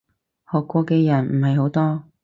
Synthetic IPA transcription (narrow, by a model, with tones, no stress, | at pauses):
hɔː˨kʷːɔː˧kɛː˧jɐ˨˩nm̩˨˩hɐ˨jɦo˨˥wt̪ɔː˥